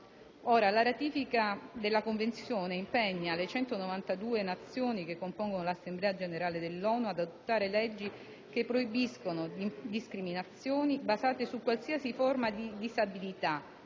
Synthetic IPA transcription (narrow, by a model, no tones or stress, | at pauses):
oːɾalaɾat̪iːfikad̪elːakoɱvent̪sjoːneimpɛɲːalet͡ʃɛnt̪onovant̪ad̪uːenat̪sːjoːnikekːompoŋɡonolasːemblɛːad͡ʒeneɾaːled̪elːɔːnuad̪ad̪ot̪ːaːɾelɛd͡ʒːi | kepːɾoibiskonod̪iskɾiminat̪sːjoːnibazaːt̪esukːwalsiasiformad̪id̪izabilit̪a